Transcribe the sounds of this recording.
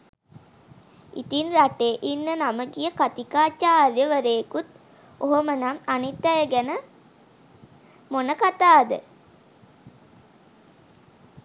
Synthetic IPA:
ḭt̪inraʈeːʔinːənaməɡijəkat̪ikaːt͡ʃaːrjəʋəɾekut̪ | oɦomənamanit̪ːæjəɡænə | monəkat̪aːd̪ə̰

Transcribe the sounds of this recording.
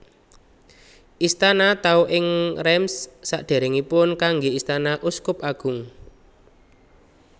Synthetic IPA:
ʔist̪anat̪auʔɪŋrɛmsːa̰ʔɖ̪̥e̤ɾɪŋipʊnkaŋɡeist̪anaʔuskʊpaɡ̥ʊ̤ŋ

